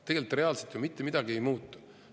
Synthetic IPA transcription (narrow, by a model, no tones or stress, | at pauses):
t̪e̞ɡ̥e̞lit̪ːˑre̞ɑlset̪jomit̪ːemid̪̥ɑɡiejmuːt̪ːˑu̥